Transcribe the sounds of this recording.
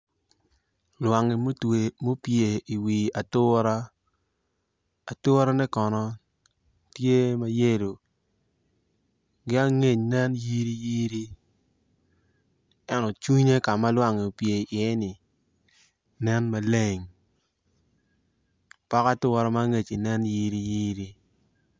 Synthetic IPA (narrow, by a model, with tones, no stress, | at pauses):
lwa˨ŋe˨m˦te˨mo˦pje˨i˨wi˨a˨tʊ˦ɾa˦ | a˨tʊ˦ɾa˦nɛ˦kɔ˨nɔ˦ | tje˦ma˦je˦lo˨ | ɡɪ˦a˦ŋe˨ɲnɛ˦nji˦ɾi˦ji˦ɾi˦ | ɛ˦nɔ˨t͡ʃu˦ɲe˦ka˨ma˦lwa˦ŋe˨o˨pje˨ʔi˨e˦nɪ˨ | nɛ˦nma˨le˦˨ŋ | pa˦ka˦tʊ˦ɾa˦ma˦ŋe˨t͡ʃi˨nɛ˦nji˦ɾi˦ji˦ɾi˦